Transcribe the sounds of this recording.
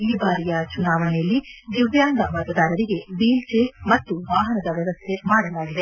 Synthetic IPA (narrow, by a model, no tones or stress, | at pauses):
iːbaːɾijɐt͡ʃunaːʋɐnɛjɐlːid̪iʋjaːnd̪ɐmɐt̪ɐd̪aːɾɐɾiɡe̞biːlt͡ʃemɐt̪ːuʋaːɦɐnɐd̪ɐʋjɐʋɐst̪ʰe̞maːɽɐlaːɡid̪e̞